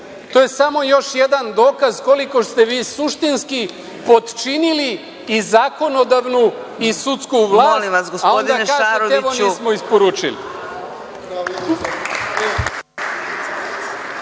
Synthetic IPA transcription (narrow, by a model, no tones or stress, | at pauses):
t̪o̞je̞samo̞jo̞ʃje̞d̪and̪o̞ːkazko̞liko̞st̪e̞ʋiːsuʃt̪inski | po̞d̪t͡ʃiniliː | zako̞no̞d̪aʋnu | isut̪skuʋlˠaːliasɡosaoond̪aaːʒaeɾoeeoniːsmo̞ispo̞ɾuːt͡ʃḭlḭ